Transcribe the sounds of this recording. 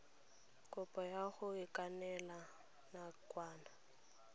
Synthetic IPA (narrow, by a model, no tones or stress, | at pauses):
kʼʊpʼɔjaɣʊɪkʼanɛla | nakʼwaːna